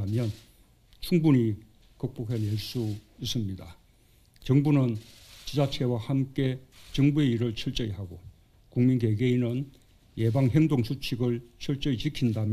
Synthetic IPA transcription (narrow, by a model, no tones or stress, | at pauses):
amjʌn | t͡ɕʰuŋbuɲi | kʌk̚p͈ukʰeneɭs͈uis͈ɯmɲida | t͡ɕʌŋbunɯnt͡ɕid͡ʑat͡ɕʰe̞wahamk͈e̞t͡ɕʌŋbue̞iɾɯɭt͡ɕʰiɭt͡ɕ͈ʌiɦaɡo | kuŋminɡe̞ɡeinɯn | je̞baŋɦe̞ŋdoŋsʰut͡ɕʰiɡɯɭt͡ɕʰiɭt͡ɕ͈ʌit͡ɕikʰindam